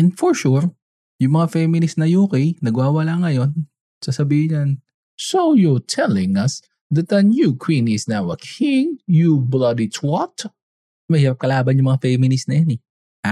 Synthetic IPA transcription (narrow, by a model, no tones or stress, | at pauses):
ɛnfɔɹʃuɹ | jʊŋmɐŋafɛmɪnɪsnɐjuːkɛjnɐɡwaːwɐlaŋɐjo̞n | sasɐbiːhɪhɐn | sojɔɹt̪ʰɛlɪ̃ŋɐs | ðɐt̪ɐnjukʰwĩnɪsnawɐkʰɪŋjublɐd̪itʰwɔt̪ | mɐhɪɾap̚kɐlaːbɐnjʊŋmɐŋafɛmɪnɪsnɐjanɛ | ʔa